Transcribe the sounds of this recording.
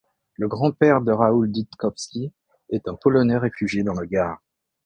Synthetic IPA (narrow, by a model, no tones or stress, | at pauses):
ləɡʁɑ̃pɛʁd̪əʁauld̪it̪kɔpsʲi | ɛt̪ɛ̃pɔlɔnɛʁefyʒjed̪ɑ̃ləɡaːʁ